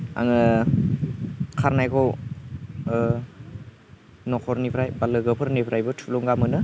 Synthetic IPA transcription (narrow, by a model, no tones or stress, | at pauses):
a̰ŋɯ | kʰaɾnajkʰɔw | nɔkʰɔɾnipʰɾajbalɯɡɯpʰɯɾnipʰɾajbɯtʰulɔŋɡamɯnɯ